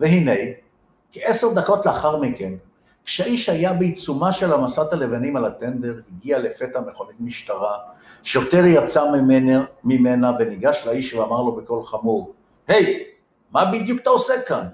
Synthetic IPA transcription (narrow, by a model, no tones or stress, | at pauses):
veɦine̞j | kee̞seʁd̪ako̞t̪leaχaʁmike̞n | kʃeaiʃhajabeit͡sumaʃe̞lamasat̪alevanimalat̪end̪e̞ʁhiɡiale̞fet̪hame̞χo̞nitmiʃtaʁaʃejoteʁjat͡samimenamimenaveniɡaʃlaiʃveamaʁlo̞beko̞lχamuʁ | he̞j | mabid̪jukt̪aosekan